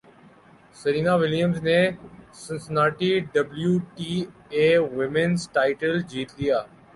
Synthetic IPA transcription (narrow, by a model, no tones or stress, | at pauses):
səɾiːnaːʋɪljəmzneːsə̃nsnaːʈiːɖəbljuːʈiːeːʋɪmenzʈaːɪʈəld͡ʒʱiːt̪lɪjaː